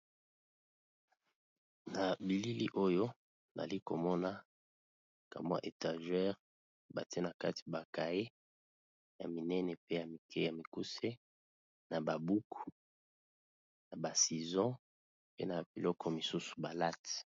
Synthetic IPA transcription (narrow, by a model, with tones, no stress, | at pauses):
na˨bi˨li˦li˦ʔo˦jo˦˨ | za̰˨li˦ko˨mɔ˦na˦ | ka̰˨mã̰˦ʔe˨ta˨ʒɛ˦ʁ | ba̰˨te˦na˨ka˦ti̥˨ba˨ka˨e˦ | ja˨mi˨nɛ˦nɛ˨pe˦ja˨mi˨kʰɛ˦ja˨mi˨ku˦se˦ | na˨ba˨bu˦ku˨ | na˨ba˨si˨zɔ̃˦ | pe˦na˨bi˨lɔ˦kɔ˦mi˨su˦su̥˨ba˨la˦t